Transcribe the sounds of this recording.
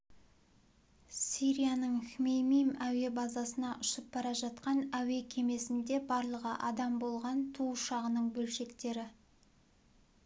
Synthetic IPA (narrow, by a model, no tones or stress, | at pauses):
siɾijanəɴxʲmejmijmæwe̞bɑzɑsənɑʔʊʃəp̚bɑɾɑʒɑt̪qɑnæwe̞kʲʰe̞me̞sɪnd̪e̞bɑɾlˠəʁə̰ʔɑd̪ɑmbo̞lˠʁɑnt̪ʰuʃɑʁənəɴbɵlʃe̞kt̪e̞ɾɪ